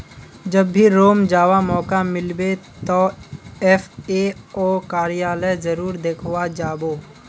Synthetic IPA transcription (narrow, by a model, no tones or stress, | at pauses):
d͡ʒɐbːiɾoːmd͡ʒaːʋamɔːkamɪlbet̪ɔːɛfeːoːkaːɾɪjaːləjzəɾuːɾd̪eːkʰwad͡ʒaːboː